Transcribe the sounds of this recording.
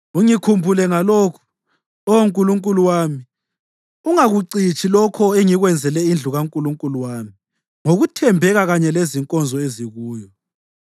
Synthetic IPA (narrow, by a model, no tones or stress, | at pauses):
uŋikʰumbʱulɛŋalɔːkʰɔ̥ | ɔŋkʼuluŋkʼuluwami | uŋaɣuǀit͡ʃʼʰilɔkʰɔeŋiɣwɛnd͡zʱɛlɛind͡ɮʱuɣaŋkʼuluŋkʼuluwaːmi | ŋoɣutʰɛmbʱɛɣaɣaɲɛleziŋkʼɔnd͡zʱɔeziɣuːjɔ